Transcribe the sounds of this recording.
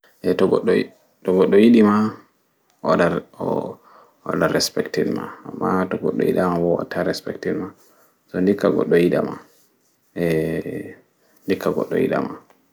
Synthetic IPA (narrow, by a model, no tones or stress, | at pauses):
ʔɛtɔɡɔɗ | tɔɡɔɗːɔjiɗima | aɗa | a̰ɗaɾɛspɛktidma̰amːatɔɡɔ̰ɗːɔjiɗamabɔwa̰tʰːaɾɛspɛktidma | sɔndikːaɡɔ̰ɗːɔjiɗa̰ma | ɛ | ndikːaɡɔ̰ɗːɔ̰jḭɗa̰ma